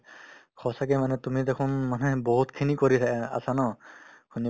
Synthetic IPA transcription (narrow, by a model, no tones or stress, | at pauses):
kʰɔsakɛmanɛtumidɛkʰunmanɛbɔɦutkʰinikoɹit̪ʰakɛa̰sanɔkʰuni